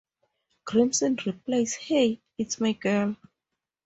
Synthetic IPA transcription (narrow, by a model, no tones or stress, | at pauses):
ɡ̥ɹĩmsɔ̃nɹiplajshej | itsmajɡɜl